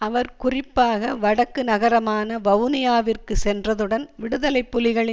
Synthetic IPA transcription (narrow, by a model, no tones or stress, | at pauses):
ɐʋɐɾkʊrɪpːaːɣɐʋɐɽɐkːɯnɐɣɐɾɐmaːnɐʋɐʋnɪjaːʋɪrkɯsɛndrɐðɯɽɐnʋɪɽɯðɐlɐɪpːʊlɪɣɐɭɪ